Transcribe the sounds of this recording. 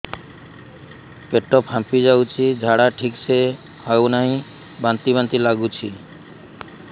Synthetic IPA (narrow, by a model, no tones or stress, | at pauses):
peʈɔpɦãmpid͡ʒawt͡ʃʰid͡ʒʱaɽaʈʰikse | hawnaɦĩ | bant̪ibant̪ilaɡut͡ʃʰi